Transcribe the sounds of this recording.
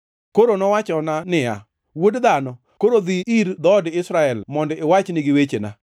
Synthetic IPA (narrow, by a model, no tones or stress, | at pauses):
koɾonɔwat͡ʃɔnanɪa̰ | wodd̪anɔ | koɾod̪iiɾd̪ɔdɪsɾaɛlmɔndɛɪwat͡ʃnɪɡɪwet͡ʃena̰